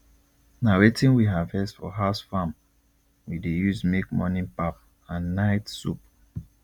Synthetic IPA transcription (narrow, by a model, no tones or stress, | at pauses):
naɹetĩnwiɦavɛsfɔ̰ɦaʊsfãm | widejuzmek̚mɔ̰nĩnpap̚ | ãnːaɪtsṵp̚